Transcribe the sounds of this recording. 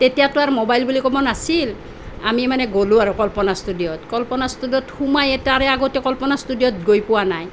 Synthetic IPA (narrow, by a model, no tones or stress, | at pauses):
tetijatʊaɹmɔbajlbulikɔbɔnasil | amimanɛɡolʊ̃aɹukɔlpɔnastudijɔtkɔlpɔnastudijɔthumajɛtaɹɛaɡotɛkɔlpɔnastudijɔtɡojpʊwanaj